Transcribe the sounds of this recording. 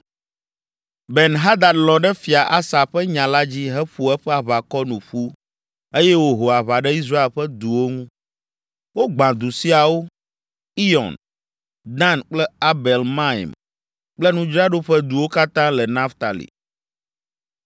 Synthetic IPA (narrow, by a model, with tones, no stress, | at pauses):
bɛ˨nɦa˦d̪a˨lɔ̃˨ɖɛ˦fi˨a˨ʔa˦sa˨ɸɛ˦ɲã˨la˦d͡ʑi˦ɦɛ˦ɸu˨ɛ˦ɸɛ˦a˨βa˨kɔ˦nũ˨ɸu˦ | e˦jɛ˦wo˦ɦo˨a˨βa˨ɖɛ˦i˦s̬ɾa˦e˨lɸɛ˦d̪u˨wo˦ŋũ˦ | wo˦ɡ͡bã˨d̪u˨si˦a˨wo˦ | i˦jɔ̰̃˨n | d̪ã˦˨nk͡plɛ˦a˦bɛ˨lmã˦ḭ˨m | k͡plɛ˦nũ˦d͡ʒɾa˦ɖo˦ɸɛ˦d̪u˨wo˦ka˦t̪ã˦lɛ˨nã˦ft̪a˨lḭ˨